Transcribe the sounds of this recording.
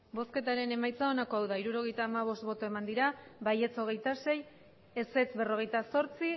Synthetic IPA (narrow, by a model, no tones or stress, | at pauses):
bo̞ske̞t̪aɾe̞ne̞majt͡sao̞nako̞awðaiɾuɾo̞ɣ̞e̞jt̪aːmaβ̞o̞st̪̚βo̞t̪o̞e̞mand̪iɾaβaje̞t͡so̞ɣ̞e̞jt̪ase̞j | ese̞t͡sbe̞ro̞ɣ̞e̞jt̪aso̞ɾt͡si